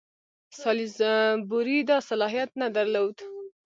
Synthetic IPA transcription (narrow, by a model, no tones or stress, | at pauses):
sɑlizbuɾid̪ɑsalɑɦijat̪̚nad̪aɾlowd̪